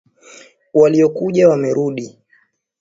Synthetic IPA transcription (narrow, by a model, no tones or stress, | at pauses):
waliɔkuʄawamɛɾuɗi